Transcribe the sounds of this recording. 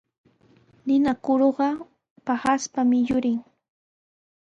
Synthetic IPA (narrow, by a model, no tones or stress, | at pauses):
nɪnakoɾoɢɑ | pahaspamɪjʊɾɪŋ